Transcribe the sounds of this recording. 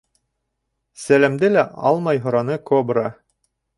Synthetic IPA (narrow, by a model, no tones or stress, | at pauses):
sælæmd̪ɘlæɑ̰lˠmɑjɦŏɾɑnɤkobra